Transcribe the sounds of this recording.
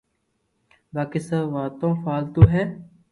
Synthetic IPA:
baːkesəʋaːt̪õːfaːlt̪oːɦɛː

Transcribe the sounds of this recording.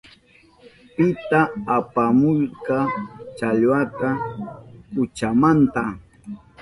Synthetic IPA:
pɪt̪aːpamʊjkɑt͡ʃaʎwat̪a | ʊt͡ʃamant̪a

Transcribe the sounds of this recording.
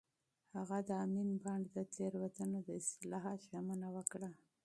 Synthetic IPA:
haɣad̪əaminbaɳɖd̪ət̪eɾwat̪ənod̪əɪst̪ɪlɑɦɑt̪ʒamanawəkɽa

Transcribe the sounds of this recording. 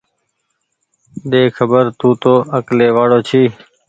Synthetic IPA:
ɗ̪eːkʰəbəɾt̪ũːt̪oːəkleːʋaːɽoːt͡ʃʰiː

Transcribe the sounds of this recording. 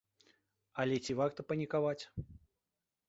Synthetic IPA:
ɐlʲɛt͡sʲivakt̪ɐpɐnʲikavat͡sʲ

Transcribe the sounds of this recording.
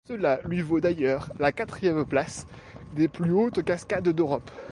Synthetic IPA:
səlalɥivod̪ajœːʁlakat̪χijɛmplas | d̪eplyot̪kaskʲad̪d̪øʁɔp

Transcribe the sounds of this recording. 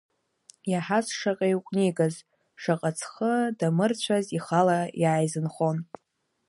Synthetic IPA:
jaħasʂaqʼajwqʷʼniɡaz | ʂaqʼat͡sʰχədamɨrt͡ɕʷʰaziχalajaːjzɨnχo̞n

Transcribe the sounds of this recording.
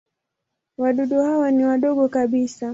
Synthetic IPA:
waɗuɗuhawaniwaɗɔɠɔkaɓisa

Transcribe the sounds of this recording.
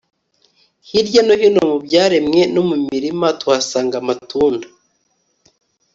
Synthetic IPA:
hiɾɟanohino̞mubɟaːɾemŋe̞nomumiɾimatuasaːŋɡamatuːndḁ

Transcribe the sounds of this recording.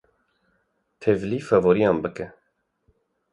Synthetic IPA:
t̪ʰevlifɛvoɾijɑːnbɨkɛ

